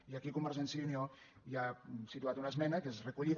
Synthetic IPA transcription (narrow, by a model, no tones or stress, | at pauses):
iakikumaɾzensinio | jasit̪uat̪unaezmɛnakezrekuʎið